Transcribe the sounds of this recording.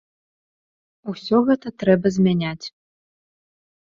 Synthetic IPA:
usʲɔɣɛt̪ɐt̪ɾɛbɐzʲmʲanʲat͡sʲ

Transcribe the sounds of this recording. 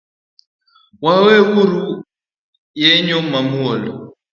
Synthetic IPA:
wawɛɣuɾu | jɛɲɔmamuɔlɔ

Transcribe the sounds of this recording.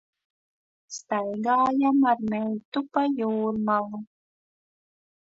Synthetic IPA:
st̪ajɡaːjamaɾmʲɛjt̪upajuːɾmalu

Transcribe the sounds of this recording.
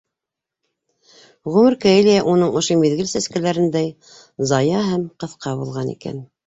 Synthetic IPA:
ʁʉmɘɾkæelʲijæʔun̪ɤɴŏʃomiðɡɘlsæskælæɾɘ̆nd̪æj | zɑjɑɦæmqɤ̆θqɑβulˠʁɑnḭkæ̰n

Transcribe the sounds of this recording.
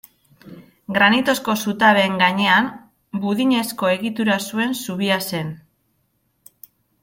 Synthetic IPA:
ɡɾanit̪o̞sko̞sut̪aβe̞ːŋɡaɲe̞am | buðiɲe̞sko̞e̞ɣit̪uɾasue̞nsuβiase̞n

